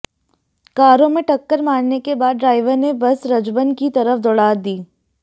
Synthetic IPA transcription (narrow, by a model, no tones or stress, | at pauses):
kaːɾõmẽʈɐkːəɾmaːnnekebaːd̪̚ɖɾaːɪʋəɾnebɐsɾɐd͡ʒbənkit̪ɐɾəfd̪ɔːɽaːd̪iː